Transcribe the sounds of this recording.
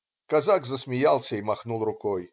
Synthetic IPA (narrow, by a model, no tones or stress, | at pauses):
kazakzəsmʲɪjalˠsʲəimɐxnulˠrʊkɔj